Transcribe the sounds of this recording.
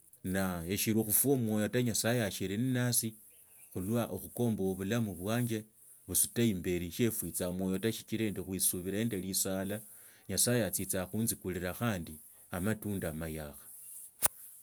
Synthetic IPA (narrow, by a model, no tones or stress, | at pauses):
naeʃiɾuxufwo̞mwo̞jo̞taɲasajeaʃiɾininasi | xulwaʔoxuko̞ːmbooβulamuβwaːɲd͡ʒe̞ | βusutaimbe̞ɾiʃe̞fwit͡samwo̞jo̞taʃit͡ʃiɾendixwisuβiɾaeːndelisala | ɲasajeat͡sit͡saxuːnzikuliɾaxaːndi | amatuːndamajaxḁ